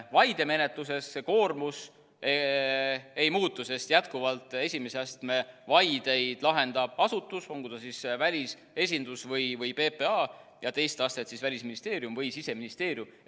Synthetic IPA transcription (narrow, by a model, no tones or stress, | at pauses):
vɑjd̪̥e̞me̞ne̞t̪lus̬e̞sːeko̞ːrmus | e | e̞jmuːt̪ːˑuse̞st̪jæt̪kuvɑlt̪ːˑe̞sʲimeseɑst̪me̞vɑjd̪̥e̞jd̪̥lɑɦe̞nd̪ɑb̥̚ɑsut̪ːˑuso̞ŋkud̪ɑsisvælʲis | e̞s̬ʲind̪̥usvɤjvɤjpe̞peɑːjɑt̪e̞jst̪ɑst̪e̞t̪sisvælʲisminist̪e̞ːɾjumvɤjsise̞minist̪e̞ːɾjum